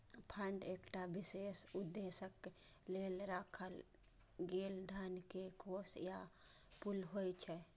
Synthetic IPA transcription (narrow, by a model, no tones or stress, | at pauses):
pʰəɳɖekʈabisesud̪ːesək | lelɾakʰəl | ɡeld̪ʱankekosjapulɦojt͡ʃʰɛ